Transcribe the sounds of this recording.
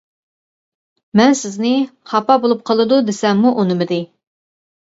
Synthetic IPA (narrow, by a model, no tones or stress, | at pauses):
mɛnsɪznɪχɑpɑbolˠup̚qʰəlˠɨd̪ud̪ɪsɛmːuʔunɨmɨd̪ɪ